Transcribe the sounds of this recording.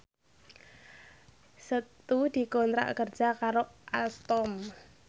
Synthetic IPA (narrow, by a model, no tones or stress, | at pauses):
sət̪ud̪̥i̤kɔnt̪ɾa̰ʔkər̥d͡ʒ̥a̤kaɾoʔalt̪ɔm